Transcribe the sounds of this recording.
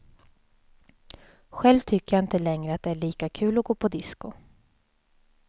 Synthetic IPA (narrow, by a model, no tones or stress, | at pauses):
ɧɛlvt̪ʰʏkːəjaɪnt̪əlɛŋɾəat̪̚d̪ɛæɭiːkakʰʉ̟ːlɔɡoːpʰɔd̪ɪskʊ